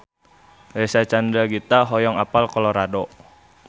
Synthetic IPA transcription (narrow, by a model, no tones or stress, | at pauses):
ɾesat͡ʃandɾaɡit̪aɦɔjɔŋapalkɔlɔɾadɔ